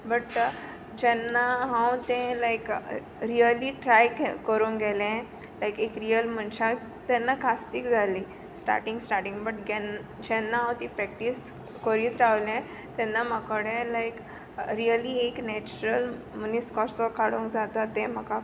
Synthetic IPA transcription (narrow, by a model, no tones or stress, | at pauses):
bəʈ | d͡ʑɛnːaɦãwt̪ɛ̃lajk | ɾiəliːʈɾajkkːəɾũːkɡɛlɛ̃ | lajkekɾijəlm̤əɳɕak | t̪ɛnːakast̪ikd͡zʱali | sʈa̰ɾʈĩŋɡsʈaɾʈĩŋɡbəʈɡɛnd͡ʑɛnːaɦãwt̪ĩpɾɛk̚ʈis | kəɾiːt̪ɾaʋlɛ̃ | t̪ɛnːamakəɽɛ̃lajk | ɾiəlieknɛt͡ɕuɾəl | muniskɔɾsəkaɽũŋkd͡zat̪at̪ẽm̤əka